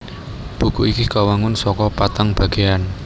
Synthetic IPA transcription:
b̥ṳkuʔikikawaŋʊnsɔkɔpat̪aŋb̥ä̤ɡ̥e̤an

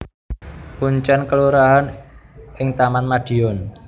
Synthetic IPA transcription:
puɲt͡ʃankəluɾaɦanʔɪŋt̪amanmaɖ̥i̤ɔn

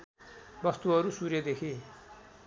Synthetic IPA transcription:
bʌst̪uɦʌɾusurjʌd̪ekʰi

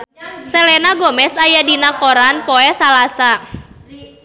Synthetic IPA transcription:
sɛlɛnaɡɔmɛsajadinakoɾanpɔɛsalasa

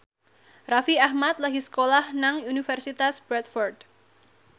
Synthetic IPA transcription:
rafiahmat̪̚laɦisə̥kolahnaŋunifɛrsit̪asb̥ɾɛt̪fɔrd̪

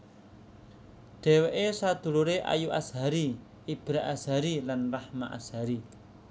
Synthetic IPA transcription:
ɖ̥ɛ̤weʔesad̪̥ṳluɾeʔa̰juʔa̰sɦaɾi | ib̥ɾaʔasɦaɾilanrahmaʔa̰sɦaɾi

